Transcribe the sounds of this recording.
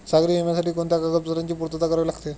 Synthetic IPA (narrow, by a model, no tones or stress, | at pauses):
saɡɾiːemjasaʈiːkoɳt̪jakakəpt͡səɾaɲt͡ɕiːpuɾt̪ət̪akəɾəʋelaɡt̪e